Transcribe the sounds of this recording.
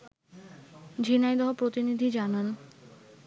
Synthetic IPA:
d͡ʑʱinajd̪ɔɦopɾot̪inid̪ʱid͡ʑanan

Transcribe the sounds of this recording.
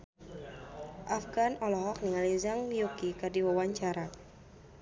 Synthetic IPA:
ʔafɡanɔlɔɦɔk̚niŋalizaŋmijukikadiwawaɲt͡ʃaɾa

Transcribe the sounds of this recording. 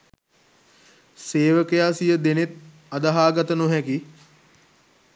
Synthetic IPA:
seːʋəkəjaːsijəd̪enet̪̚ | ad̪aɦaːɡat̪ənuɦɛki

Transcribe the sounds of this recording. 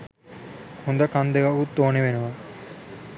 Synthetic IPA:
hund̪ɐkand̪eɡɐut̪ːoːneʋenuʋa

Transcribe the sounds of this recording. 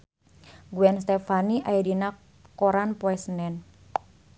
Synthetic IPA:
ɡuɛnst̪ɛfaniʔajadina | koɾanpoɛsənɛn

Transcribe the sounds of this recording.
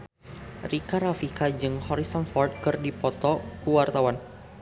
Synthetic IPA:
rikaɾafikad͡ʒɨŋhɔɾisɔnfɔrt̪̚kɨrdipɔt̪ɔkuwart̪awan

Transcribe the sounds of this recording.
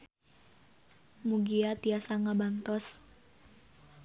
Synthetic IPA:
muɡiat̪iasaŋabant̪ɔs

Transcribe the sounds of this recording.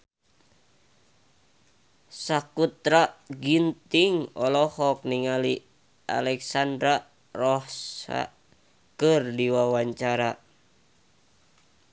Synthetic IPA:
sakut̪ɾaɡint̪iŋɔlɔhɔk̚niŋali | a̰lɛksandɾa | rɔhsa̰ | kɨrdiwawaɲt͡ʃaɾa

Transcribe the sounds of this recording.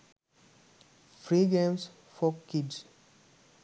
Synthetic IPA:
fɾiɡẽms | fɔkids

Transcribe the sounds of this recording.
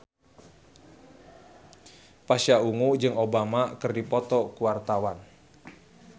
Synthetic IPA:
paʃjauŋud͡ʒɨŋobamakɨrdipɔt̪ɔkuwart̪awan

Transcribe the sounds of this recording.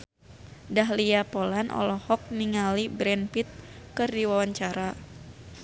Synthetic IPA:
daɦliapolanʔɔ̰lɔhɔk̚niŋalibɾɛnfit̪̚kɨrdiwawaɲt͡ʃaɾa

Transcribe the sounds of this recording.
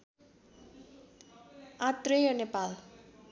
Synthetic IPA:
at̪rejʌnepal

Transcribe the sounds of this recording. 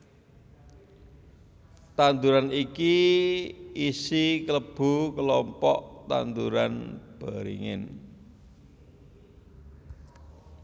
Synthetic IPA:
t̪and̪uɾaniki | isikələb̥ṳkəlɔmpɔʔt̪a̰nd̪uɾanb̥aɾḭŋɪ̰n

